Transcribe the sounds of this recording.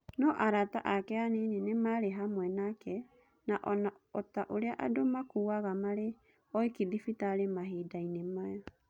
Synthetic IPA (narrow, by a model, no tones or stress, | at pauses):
nɔʔaɾataʔakɛanenenemaɾeɦamwɛnakɛ | naʔɔna | ɔtaʔoɾeaʔadomakuːaɣamaɾe | ɔikiðifitaːɾemaɦidainemajɔ